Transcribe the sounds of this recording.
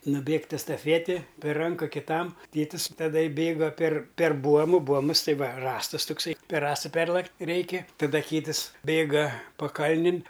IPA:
nʊˈbʲeːktʲ ɛstɐˈfʲiɛtʲɪ pʲɛr ˈrɐŋkɐ kʲɪˈtɐm ˈtʲeːtʲɪs tɐˈdɐ ˈbʲeːɡɐ pʲɛr pʲɛr ˈbuɔmʊ ˈbuɔmʊs ˈtɐɪ ˈʋɐ ˈrɑːstʊs tʊkˈsɐɪ pʲɛr ˈrɑːstɐ ˈpʲɛrlˠɐktʲ ˈrʲɛɪkʲɪ tɐˈdɐ ˈkʲiːtɨs ˈbʲeːɡɐ pɐˈkɐlʲnʲɪn

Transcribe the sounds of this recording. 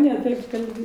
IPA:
nʲɛ ˈtɐɪp kɐlʲˈbʲɪ

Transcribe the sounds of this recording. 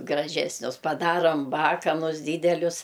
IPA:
ɡrɐˈʒʲæːsʲnʲʊs pɐˈdɑːroːm ˈbɑːkɐnʊs ˈdʲiːdʲɛlʲʊs

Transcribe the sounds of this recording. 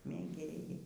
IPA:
mʲeːˈɡʲeːjɛɪ

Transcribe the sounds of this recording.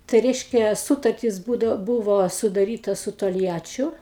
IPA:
tɐɪ ˈrʲɛɪʃʲkʲɛ ˈsuːtɐrʲtʲɪs ˈbuːdɐw ˈbuːʋoː sʊdɐˈrʲiːtɐ sʊ toːlʲˈjæːt͡ʃʲʊ

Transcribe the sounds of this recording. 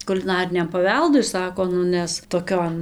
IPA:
kʊlʲɪˈnɑːrʲɪnʲɛm pɐˈʋʲɛlˠdʊɪ ˈsɑːkoː ˈnʊ ˈnʲɛs toːˈkʲoːn

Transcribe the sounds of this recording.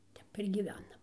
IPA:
ˈtʲɛp ɪr ɡʲiːˈʋʲæːnɐm

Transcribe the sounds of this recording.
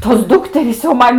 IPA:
toːs ˈdʊktʲɛrʲiːs jɛʊ ˈmɐn

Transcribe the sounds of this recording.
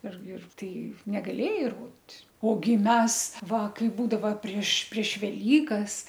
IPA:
ɪr ɪr ˈtɐɪ nʲɛɡɐˈlʲeːjɛɪ ɪr ˈroːdʲɪtʲ oːˈɡʲɪ ˈmʲɛs ˈʋɐ ˈkɐɪ ˈbuːdɐʋɐ pʲrʲiɛʃ pʲrʲiɛʃ ʋʲɛˈlʲiːkɐs

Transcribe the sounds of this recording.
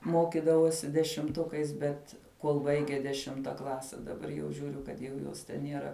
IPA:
ˈmoːkʲɪdɐʋoːsʲɪ dʲɛʃʲɪmˈtʊkɐɪs ˈbʲɛt kuɔlˠ ˈbɐɪɡʲɛ dʲɛˈʃʲɪmtɐ ˈklˠɑːsʲɛ dɐˈbɐr jɛʊ ʒʲʊˈrʲʊ kɐt jɛʊ ˈjoːs tʲɛn nʲiɛˈrɐ

